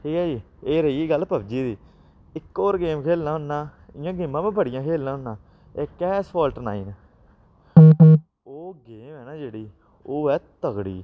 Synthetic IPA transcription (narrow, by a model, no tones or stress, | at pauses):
ɦiːaːd͡ʒiː | eːɾəiːɡəlpəbd͡ʒiːd̪iː | ɪkːoːɾɡeːmkʰeːlnãːɦʊnːãːɪjãːɡeːmːãːpẽːbəɽɪjãːkʰeːlnãːɦʊnːãː | eːkɛːspʰɔːlʈəna̰ːḭːn | oːɡeːmɛːnaːd͡ʒeːɽiː | oːɛːt̪əɡɽḭː